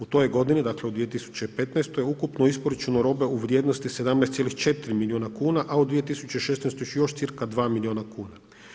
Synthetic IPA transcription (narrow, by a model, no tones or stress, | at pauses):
ut̪o̞joɡo̞d̪inid̪akle̞ud̪ʋije̞t̪isu̥t͡ɕeipe̞t̪najst̪ojukupnoispoɾat͡ʃunoɾo̞ːbe̞uʋɾjed̪nost̪ise̞d̪amnɛjst̪ʲelixt͡ʃe̞t̪ɾimilijoːnakuːnaʔaud̪ʋijet̪isut͡ɕeʃe̞snɛjst̪ojjo̞ʃt̪siɾkad̪ʋaːmilioːnakuːna